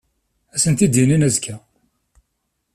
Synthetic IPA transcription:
æsənt̪id̪jininæzkʰæ

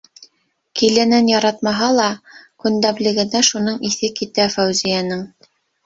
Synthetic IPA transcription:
kilɘ̆nɘnjɑɾɑt̪mɑɦɑlˠɑkɵ̆nd̪æblɘ̆ɡɘ̆næʃunɤɴiθɘkit̪æfæwzijænɤɴ

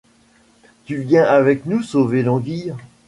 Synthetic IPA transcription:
t̪yvjɛ̃ʔavɛknusovelɑ̃ɡiːʁ

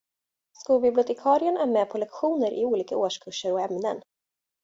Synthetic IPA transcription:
skuːlbɪblɪʊt̪ʰɛkʰɑːɾɪənæɾmɛpʰɔlɛkɧuːnəɾʔɪ̰uːliːkaoːʂkʰɵʂːəɾɔɛmnə̰n

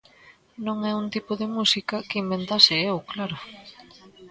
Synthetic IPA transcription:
nõŋɛunt̪ipoðemusikɐkimbent̪asɪewklaɾʊ

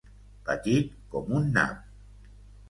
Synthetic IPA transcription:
pa̰ɟikomunːa̰m̚

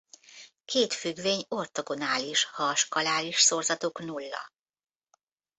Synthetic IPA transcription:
kʰeːt̪fyɡʋeːɲo̞rt̪oɡo̞naːliʃhɒʃkɒlaːliʃsorzɒt̪oːknulːɒ̰

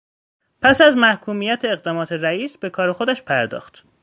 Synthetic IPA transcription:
pʰæsæzmæhkʰuːmijæt̪ʰeːɣd̪ɒːmɒːt̪ʰeɾæiːsb̥e̞kʰɒːɾexod̪æʃpʰæɾd̪ɒ̰ːxt̪

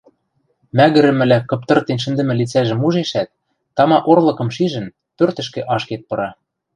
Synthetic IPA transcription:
mæɣɘ̆ɾɘ̆mɘ̆lækɤ̆p̚t̪ɤ̆rt̪enʃ̬ɘ̆nd̪ɘ̆mɘ̆lit͡sæʒɘ̆muʒeʃæt̪̚ː | ɑmɑʔorlˠɤ̆kɤ̆mʃiʒɘ̆n | pørt̪ɘ̆ʃkĕʔɑʃket̪̚pɤ̆ɾɑ

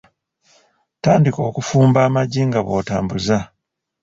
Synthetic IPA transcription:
taːndiko̞ːkufuːmbaːmaɟːiŋɡaβo̞ːtaːmbuza

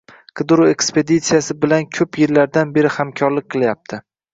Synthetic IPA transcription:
qʰɨd̪ɾue̞kspe̞d̪it̪sijasɪbɪlankʲʰɵpjɪɾlːaɾd̪anbe̞ɾɪhamkʲʰɒɾlɪk̚ʲqʰɨlˠjap̚t̪ʰɪ

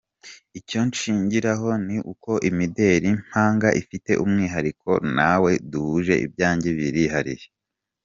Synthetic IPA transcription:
ico̞nʃiːɲɟiɾaɦo̞niʔuko̞ʔimide̞ɾim̥aːŋɡaʔifite̞̰ʔumŋiːɦaɾikʰo̞̰nawe̞duhuʒe̞̰ʔḭb̚ɟaːɲɟeβiɾihaɾḭɾe

